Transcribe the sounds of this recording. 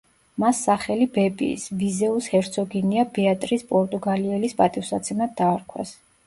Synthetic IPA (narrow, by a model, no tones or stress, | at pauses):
masːaχɛlibɛbḭːsvizɛushɛɾt̪sʰɔɡiniabɛat̪ʼɾispʼɔɾt̪ʼuɡaliɛlispʼat̪ʼifwsat̪sʰɛnad̪̚ːaːɾkʰwɛ̰s